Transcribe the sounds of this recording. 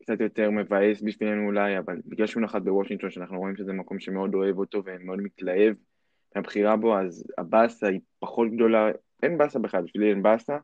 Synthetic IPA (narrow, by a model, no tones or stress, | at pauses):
kt͡sat̪jo̞t̪e̞ʁme̞vae̞sbifienuːlajavalbiɡlalʃunaχat̪̚bewoʃĩŋkt̪o̞nʃeanaχnuʁo̞imʃezemako̞mʃe̞me̞o̞d̪o̞e̞vo̞t̪o̞ve̞meo̞d̪̚mit̪lae̞v | meabχiʁabo̞aza̰basaipaχo̞tɡd̪o̞la | ʔenbasabeχadbifilienbasa